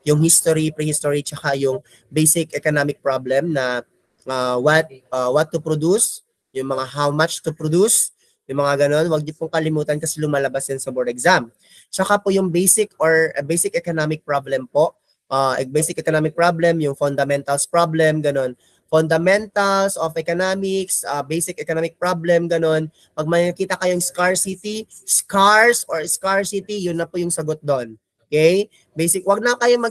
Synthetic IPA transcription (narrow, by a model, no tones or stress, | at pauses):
jʊŋhist̪oɾipɾɛhist̪oɹit͡ʃɐkajʊŋ | bejsɪkɛkonamɪk̚pɹablɛmnɐ | ʔawɐt̪̚awɐt̪ːʊpɾod̪us | jʊŋmɐŋaɦawmat͡ʃt̪ʊpɹod̪us | jʊŋmɐŋaɡɐno̞nwɐɡ̚ɲɪpʊŋkɐlɪmuːt̪ɐnkɐsɛlʊmaːlɐbasjɐnsɐbɔɹd̪ɛkzam | t͡ʃɐkapʊjʊŋbejsɪkʔoɹbejsɪkʔɛkonamɪk̚pɹoblɛmpoʔ | ʔaːɛbɛjsɪk̚ɛkonamɪk̚pɹablɛmjʊŋfond̪ɐmɛnt̪ɐlspɹablɛmɡɐno̞n | fond̪ɐmɛnt̪ɐlsofʔɛkonamɪksabɛjsɪk̚ʔɛkonamɪk̚pɹablɛmɡɐno̞n | pɐɡ̚mɐnɐkiːt̪ɐkɐjoŋskaɹsit̪i | skaɹsʔoɹskaɹsit̪ijʊnːɐpʊjʊŋsɐɡot̪̚d̪onʔokɛj | bejsɪkwɐɡ̚nɐkɐjomɐ